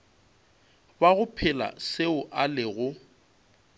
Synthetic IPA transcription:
baɣʊpʰɪla̰sɪʊʔalɪɣʊ

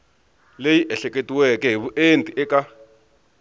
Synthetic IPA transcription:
lejiʔɛɬɛk̬ʼetʼiwɛkɛɦiβuʔentʼiʔɛkʼa

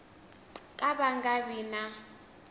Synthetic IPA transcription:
kʼaɓaŋɡabiːna

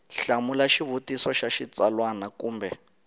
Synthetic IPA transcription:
ɬamulaʃiβutisɔʃaʃit͡salwanakuːmbɛ

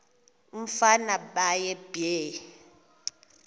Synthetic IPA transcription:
m̩fanaɓajɛbe

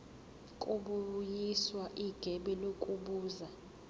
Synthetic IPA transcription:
kʼuɓujiswaʔiɡ̥ʱɛɓɛlokʼuɓuːza

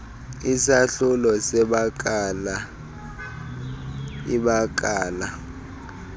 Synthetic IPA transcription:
isaɬulɔsɛɓak̬ʼala | iɓak̬ʼaːla

